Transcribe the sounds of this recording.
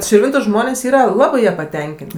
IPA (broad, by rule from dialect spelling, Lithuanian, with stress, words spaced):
ʃʲɪrʲˈʋʲɪntʊ ˈʒmoːnʲeːsʲ ˈiːrɐ ˈlˠɑːbɜ ˈjɛ pɐˈtʲɛŋʲkʲeːnʲtʲ